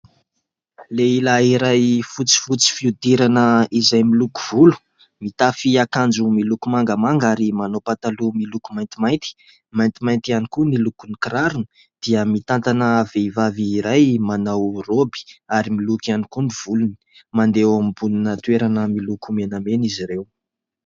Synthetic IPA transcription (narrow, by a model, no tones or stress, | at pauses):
leilaiɾajfut͡si̥fut͡si̥fiud̪iɾanəizajmiluku̥v̥ulu̥ | mit̪afiakand͡ʒumilukumaŋɡamaŋɡaɾimanowpat̪alumilukumajnt̪imajnt̪i̥ | majnt̪imajnt̪ianikunilukunikɾaɾunə | d̪̥iəmit̪ant̪anəaveivaviːɾajmanawrobi̥aɾimilukianikuniv̥uluni̥ | mand̪ewamibuninət̪ueɾanəmilukumenameniziɾew